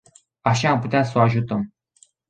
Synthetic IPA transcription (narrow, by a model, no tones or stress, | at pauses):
aʃaːmput̪easoaʒut̪əm